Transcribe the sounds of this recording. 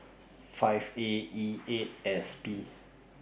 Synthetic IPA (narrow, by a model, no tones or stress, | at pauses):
fajveietɛspi